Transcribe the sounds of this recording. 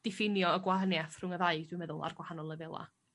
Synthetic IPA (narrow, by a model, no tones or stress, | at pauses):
d̥ɪfɪnjɔəɡwahənjaθr̥ʊŋəðaɨɡd̥wɨmɛðʊlˠa̰rɡwahanɔlˠəvɛlˠa̰